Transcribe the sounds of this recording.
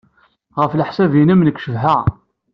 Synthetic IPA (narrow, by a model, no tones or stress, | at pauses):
ʁəflħsævjinəmnəkːʃəvɦə